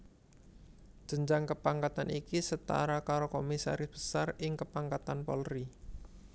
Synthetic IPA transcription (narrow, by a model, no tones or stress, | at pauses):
d͡ʒ̥əɲd͡ʒaŋkəpaŋkat̪anikisət̪a̰ɾakaɾokomisa̰ɾɪsb̥ə̥sarɪŋkəpaŋkat̪anpɔ̰lri